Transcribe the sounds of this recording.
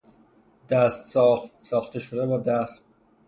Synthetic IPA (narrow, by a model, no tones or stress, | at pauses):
d̪æst̪sɒxt̪sɒːxt̪ʰeʃod̪ebɒːd̪æst̪̚